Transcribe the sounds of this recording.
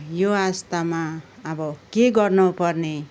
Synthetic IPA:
joast̪amaʌbʌkeɡʌrnupʌrne

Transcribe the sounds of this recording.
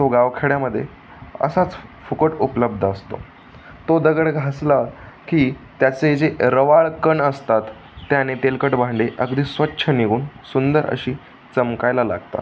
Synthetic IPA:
t̪oɡaʋkʰeɽjaməd̪ʱːjḛ | ə̰sat͡sfukəʈupləb̚d̪ʱəəst̪o̰ | t̪od̪əɡəɽɡʱasla | kiːt̪jat͡sed͡zeɾəʋaɭkəɳəst̪at̪ː | janet̪elkəʈbãɳɖeʔəɡd̪iːsʋətːɕʰəniɡuːnsund̪əɾʔə̰ɕiː | t͡səmkajlala̰ɡt̪a̰

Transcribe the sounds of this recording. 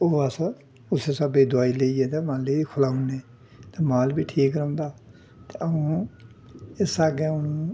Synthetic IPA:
oːasə | ʊseːsəbeːd̪ʊaːiːleieːt̪eːmãːlekʰʊlaːũneː | t̪eːmaːlbiːʈʰiːkɾə̃ːnd̪aː | t̪eʔəũː | ɪsaːɡeːʊnũː

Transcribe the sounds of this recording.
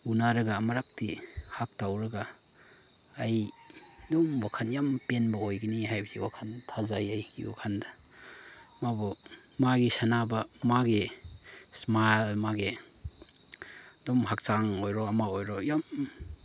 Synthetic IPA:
unaɾɐɡamɐɾak̚tihak̚tawɾɐɡa | j | domwakʰanjampenbɐojɡɐniɦajbɐsiwakʰantʰazajajɡḭwa̰kʰandɐ̥ | mabo | maɡisanabɐmaɡi | smalmaɡe | domɦak̚t͡ʃaŋojɾoɐmaojɾojam

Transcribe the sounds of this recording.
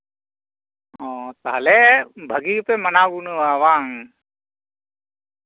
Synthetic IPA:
ɔːt̪aɦlebʱɐɡipemɐnaːɡunuʋaːʋaːŋ

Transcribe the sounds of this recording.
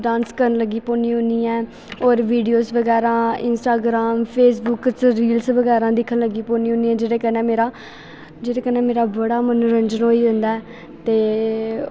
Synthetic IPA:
ɖãːnskəɾənləɡiːpõːniːɦʊ̃nd̪iːɛː | oːɾʋiːɖijoːsʋəɡɛːɾãːɪnsʈaːɡɾaːmpʰeːs̬bʊkt͡ʃɾiːlsʋəɡɛːɾãːd̪ɪkʰːənləɡiːpõːniːɦʊ̃niːɛ̃ːd͡ʒeːɽeːkənẽːmeːɾaː | d͡ʒeːɽeːkənẽːmeːɾaːbəɽaːmənuːɾəɲd͡ʒənɦoːiːd̪ə̃nd̪aːɛː | t̪eː

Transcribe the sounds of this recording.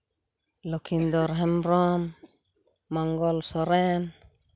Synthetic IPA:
lokʰind̪ɔɾɦɛmɾɔmː | aŋɡɔlsɔɾɛn

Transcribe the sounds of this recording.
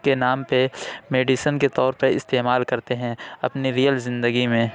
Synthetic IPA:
kenaːmpemeːɖiʃənket̪ɔːɾpɐɾɪ̰st̪eːmaːlkɐɾt̪eɦɛ̃ɐpniɾijəlzɪ̃nd̪əɡimẽː

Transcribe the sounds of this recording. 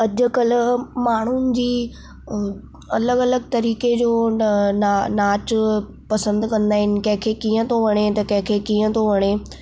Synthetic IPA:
ɐd͡ʑʊ̆kɐlʊ̆maːɳ̤ʊnɪ̆d͡ʑiː | ɐləɡɐləɡt̪ɐɾiːked͡ʑoːnnaːt͡ɕ | pɐsə̃nd̪kɐ̃nd̪aːɦɪnɪ̆kɐ̃ɦɪ̃kʰekiːə̃t̪ʰoʋɐɽ̃et̪ɐkɐ̃ɦɪ̃kʰeːkiːə̃t̪ʰoʋɐɽ̃eː

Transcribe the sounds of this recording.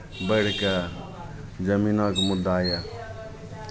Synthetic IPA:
bəɽ̤ka | d͡ʒɐminɔkmud̪aːja

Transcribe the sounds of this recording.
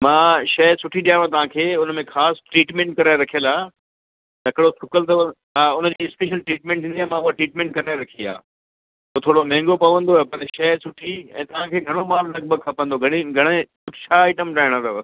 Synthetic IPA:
mãːʃɐɦsʊʈʰiɗijaːʋãt̪̬ɐʋ̤ãːkʰeːʊnmẽxaːsʈɾiːʈmẽːɳʈ̚kɐɾaːɪɾɐkʰijəlaː | t̪ɐkɪɽosʰʊkəlt̪ɐ | ɦaːʊnə̆d͡ʑiːɪspeːʃəlʈɾiːʈmẽːɳʈɦĩːnd̪iãmãʊɦaʈɾiːʈmẽːɳʈkɐɾaːɾɐkʰia̰ː | ut̪ʰoːɽomɛ̃ːŋɡopɐʋə̃nd̪opɐɾʃɐɦsʊʈʰiɛ̰̃ːt̪ɐʋ̤ãkʰeːɡʱɐɽ̃omaːlnɐɡ̚bʱəɡ̚kʰɐpə̃nd̪oɡʱɐɽ̃iɡʱɐɽ̃ekʊt͡ɕʰaːɪʈəmɖaːɪɽ̃ãt̪ɐ

